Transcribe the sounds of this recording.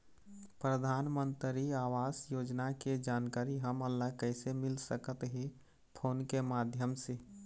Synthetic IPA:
pɾəd̪ʱaːnmənt̪ɾiaːʋaːsjoːd͡ʒnaked͡ʒaːnkaːɾiɦəməlːakəɪsemɪlsəkət̪ɦe | pʰoːnkemad̪ʱjəmse

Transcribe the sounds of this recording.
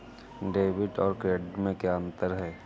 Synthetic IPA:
ɖeːʋɪʈɔːɾkɾeːɖmẽkjaə̃nt̪əɾɦɛː

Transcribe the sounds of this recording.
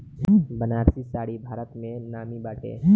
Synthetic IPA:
bənaːɾsisaːɽibʱaːɾət̪mẽnaːmibaːʈʰḛː

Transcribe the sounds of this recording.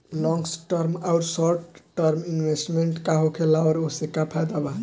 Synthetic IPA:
lɔ̃ŋɡsʈəɾmaʊɾsɔɾʈʈːəɾminwesʈmeɳʈkaɦokʰelawɾosekapʰad̪aba

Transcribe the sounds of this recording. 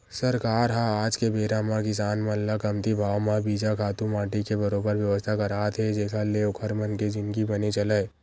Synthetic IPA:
sɐɾkaːɾɦãaːd͡ʒkebeːɾamãkɪsaːnmãllakɐmt̪ibʱaːwmãbiːd͡ʒakʰaːt̪ũmãːʈikebɐɾoːbəɾʋjɐʋəst̪ʰakɐɾaːt̪ʰɦɛd͡ʒeːkʰaleokʰəɾmənked͡ʒɪnkibɐnet͡ʃɐlə

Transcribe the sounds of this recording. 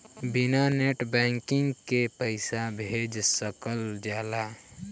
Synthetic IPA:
bɪnaneʈbɛ̃ːŋkɪ̃ŋɡkepəɪsabʱed͡ʒsəkəld͡ʒaːla

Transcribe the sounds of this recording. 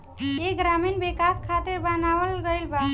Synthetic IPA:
eɡɾaminbikaskʰat̪iɾbənawəlɡəjlba

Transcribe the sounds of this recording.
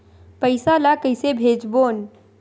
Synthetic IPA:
pəɪsalakəɪsebʱeːd͡ʒboːn

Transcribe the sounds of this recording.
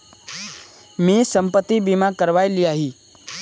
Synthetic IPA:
misəmpət̪ːibimakəɾʋajliaɦi

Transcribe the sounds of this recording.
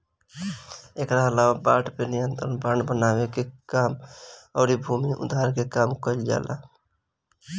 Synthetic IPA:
ekɾaəlawabaːʈpenijənt̪ɾənbãːɳɖbənawekekaːməːɾibʱumiʔʊ̰d̪ʱaɾkekaːmkəld͡ʒa̰ːla̰

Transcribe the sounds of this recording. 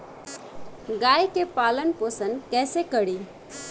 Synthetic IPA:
ɡajkepaːlənpəsənkɛːsekəɽi

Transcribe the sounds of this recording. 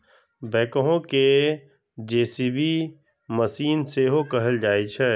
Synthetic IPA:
bɛːkəɦõke | d͡ʒeːsibʱi | məsiːnseɦokɐɦəld͡ʒaːit͡ʃʰɛː

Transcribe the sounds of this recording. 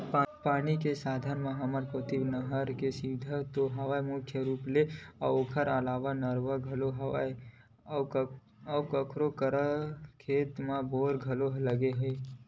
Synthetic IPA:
paːnikesaːd̪ʱənmãɦɐməɾkot̪ibnəɦəɾkesiʋɪd̪ʱət̪oɦɐʋaːemʊkʰjəɾuːpleɔoːkʰəɾəlaːʋanəɾʋəɡʱɐloɦɐae | əkəkʰɾokəɾəkʰeːt̪mãboːɾɡʱɐloɦləɡeɦɛe

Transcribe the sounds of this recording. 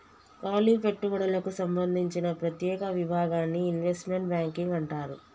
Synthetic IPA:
kaːliːpe̞ʈːuʋɐɽɐlɐkusɐmbɐnd̪ʱiɲt͡ʃinɐpɾɐt̪jɛːkɐʋibʱaːɡaːnːiːnʋesʈme̞ɳʈ̚bjaːŋkiŋɡɐɳʈaːɾṵ

